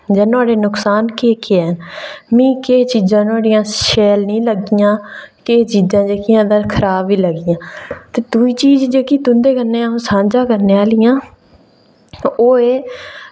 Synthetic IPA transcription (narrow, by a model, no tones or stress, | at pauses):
d͡ʒɛːnoaːɽeːnʊksaːnkeːkeɛnmĩːkeːt͡ʃiːzãːnoaːɽɪjãːʃɛːlnĩːləɡɪjãːkeːt͡ʃiːzãːd͡ʒeːkɪjãːd̪aːkʰəɾaːbʋiːləɡɪjãːt̪eːd̪ʊiːt͡ʃiːzd͡ʒeːkiːt̪ʊ̃nd̪eːkəɾneːãːsãːnd͡ʒãːkəɾneːaːlɪjãː | oːeː